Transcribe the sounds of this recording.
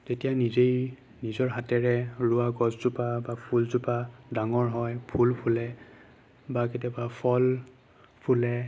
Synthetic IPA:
tetijanizej | nizɔɹɦatɛɹɛɹuaɡɔzzupabapʰulzupadaŋɔɹɦɔjpʰulpʰulɛ | baketapapʰɔl | pʰulɛ

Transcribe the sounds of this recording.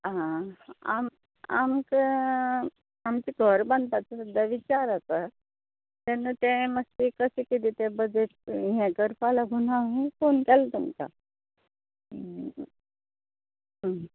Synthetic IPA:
ɦãa̰m | a̰mk | amt͡ɕiɡʱəɾbənd̪pat͡səsud̪ʱjaʋit͡ɕaɾatə | t̪ɛnut̪ɛ̃məst̪ikəsikit̪it̪ɛbəd͡zeʈ̚ɦɛ̃kəɾpalaɡʱunaɦĩfonkɛlt̪umka̰ | ɦ

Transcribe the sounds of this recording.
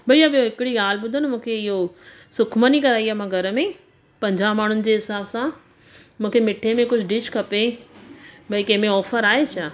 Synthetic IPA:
bɐiɐbijoɦɪkɪɽiɡaːl̤bʊd̪ʱənɪ̆mũːkʰeɪɦo | sʊkʰmənikɐɾaːiamãɡʱɐɾəmẽ | pɐ̃ɲd͡ʑaːmaːɳ̤ʊnɪ̆d͡ʑeːɦɪsaːbsã | mũːkʰemɪʈʰemẽkʊd͡ʑʱɖɪʃkɐpe | bɐikɐ̃ːmẽɔːfəɾaːɦet͡ɕʰaː

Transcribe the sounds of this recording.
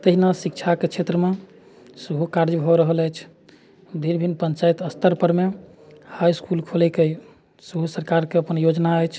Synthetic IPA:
t̪əɦinasikt͡ʃʰaket͡ʃʰet̪ɾəme | səɦukaɾd͡ʒbʱɔɾəɦələjt͡ʃʰ | d̪ʱiɾbʱinpənt͡ʃajt̪əst̪əɾpəɾme | hajskulkʰolɛkej | səɦusəɾkaɾkeəpənjod͡ʒnaəjt͡ʃʰ

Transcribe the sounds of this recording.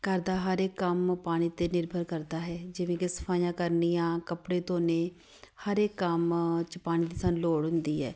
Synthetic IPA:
kəɾd̪aːɦəɾeːkːəmpaːɽ̃iːt̪eːnɪɾbʱəɾkəɾd̪aːɦɛːd͡ʒɪʋẽːkɪsə̥pʰaːjãːkəɾnijãːkəpɽeːt̪õːneː | həɾeːkːəmt͡ʃəpaːɽ̃iːd̪isənloːɽɦʊ̃nd̪iːɛ̰ː

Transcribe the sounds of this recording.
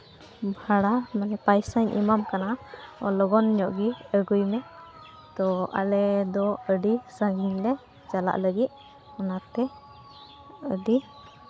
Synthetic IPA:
bʱaɽamanɛpajsaɲʔḭmamkanaɔ̰lɔɡɔnɲɔʔɡiəɡujmɛ | t̪ɔʔa̰lɛd̪ɔəɖisãŋɡiŋlɛ | d͡ʒala̰ʔləɡit̪̚ˀ | ɔnat̪ɛ | əɖi

